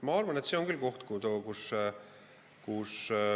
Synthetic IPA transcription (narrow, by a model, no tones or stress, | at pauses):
mɑɑrvɑnet̪seo̞ŋkylko̞ht̪kut̪okus | kus